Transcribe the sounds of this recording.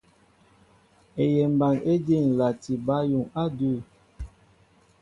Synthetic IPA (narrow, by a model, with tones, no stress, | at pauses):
e˨jɛ˨m˨ba˨ŋe˦de˦˨ŋ̩˨la˨ti˨ba˦ju˨ŋa˦du˦˨